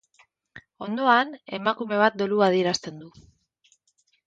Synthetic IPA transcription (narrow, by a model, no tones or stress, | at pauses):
o̞nd̪o̞ane̞makume̞β̞at̪̚d̪oluaðie̞ɾast̪e̞nd̪u